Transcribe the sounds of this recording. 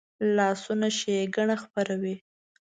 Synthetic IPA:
lɑsunaʃeeɡaɳaxpaɾawi

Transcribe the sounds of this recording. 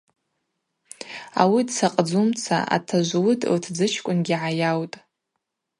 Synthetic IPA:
a̰widsaqʼd͡zumt͡sʰa̰ʔa̰tʰaʒʷwʊdʼltʰd͡zɨt͡ʃʰkʷʼʊnɡʲiʕajawtʼ

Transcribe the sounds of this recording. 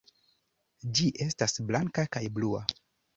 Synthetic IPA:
d͡ʒiʔe̞stasblaŋkakajblua̰

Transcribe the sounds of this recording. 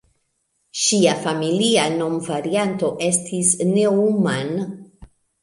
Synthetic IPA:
ʃiafamiliano̞mvaɾianto̞ʔe̞stʰisne̞uman

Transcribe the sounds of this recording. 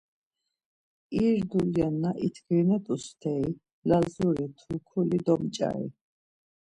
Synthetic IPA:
iɾd̪uljanːaʔit̪ʰɡɾinɛt̪ʰʼust̪ʰɛi | lazuɾit̪ʰukʰulid̪ɔmt͡ʃʼa̰ḭ

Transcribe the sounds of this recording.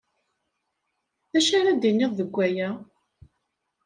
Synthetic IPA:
ðæʃaɾæd̪inːiðˤðəɡʷːæjæ

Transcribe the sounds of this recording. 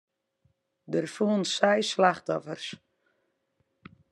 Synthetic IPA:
dərfuːənsɛjslaxtɔfərs

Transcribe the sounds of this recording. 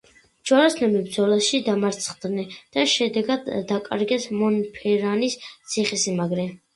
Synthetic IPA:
d͡ʒɔɾaslɛmibɾd̪zɔlaʃid̪amaɾt̪sʰχd̪nɛd̪̥aʃɛd̪ɛɡad̪ːakʼa̰ɾɡɛsmɔnpʰɛɾanist̪sʰiχisimaɡɾɛ

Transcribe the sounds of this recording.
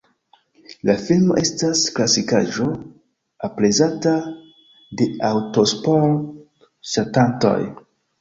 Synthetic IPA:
lafilmo̞ʔe̞stasklasikaʒo̞ | aplezata | de̞awtospo | ʃatanto̞̰j

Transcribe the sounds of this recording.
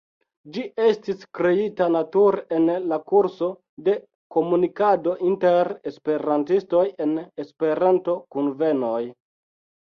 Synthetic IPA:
d͡ʒiʔe̞stiskɾe̞itanatuɾe̞nlakuɾso̞ | de̞ | ko̞munikado̞ʔinte̞ɾespe̞ɾantisto̞je̞nespe̞ɾanto̞kunve̞no̞j

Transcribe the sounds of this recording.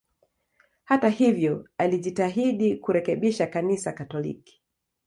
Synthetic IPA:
hatahivjɔaliʄitaɦiɗikuɾɛkɛɓiʃakanisakatɔlḭki̥

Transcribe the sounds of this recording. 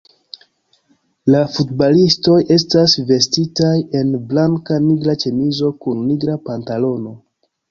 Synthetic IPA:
lafutbalisto̞jʔe̞stasve̞stitaje̞nblaŋkaniɡɾat͡ʃe̞nizo̞kunːiɡɾapantalo̞no̞

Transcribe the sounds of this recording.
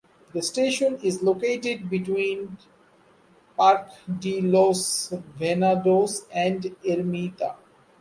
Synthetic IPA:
d̪əsʈeːʃə̃nɪzloːkeːʈeɖ̚biʈwĩːn | paːɾkɖilosʋenaɖoːsɛ̃ɳɖeɾmiːt̪a̰

